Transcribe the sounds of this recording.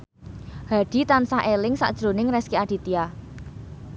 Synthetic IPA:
ha̤ɖ̥i̤t̪ansaʔelɪŋsa̰ʔd̥ʒ̥ɾonɪŋrɛskiaɖ̥i̤t̪ia

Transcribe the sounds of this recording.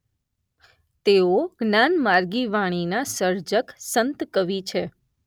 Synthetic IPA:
t̪eoɡnanmaɾɡiʋaɽ̃inasəɾd͡ʒəksənt̪kəʋit͡ʃʰe

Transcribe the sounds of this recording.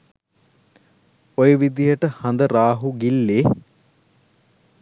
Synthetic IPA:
ojəʋid̪ijəʈəhɐnd̪əɾaːɦuɡilːeː

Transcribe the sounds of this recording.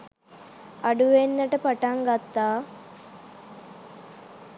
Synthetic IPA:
ɐɖuʋenːəʈəpaʈaŋɡat̪ːaː

